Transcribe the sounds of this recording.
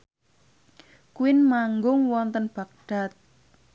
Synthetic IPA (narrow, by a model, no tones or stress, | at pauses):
kuwɪnmaŋɡʊŋwɔnt̪ənb̥a̤k̚ɖ̥a̤t̪̚